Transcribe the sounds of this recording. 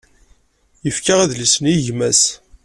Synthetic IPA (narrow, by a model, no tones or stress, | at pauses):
jəfkaʁæðlisəniʝmæs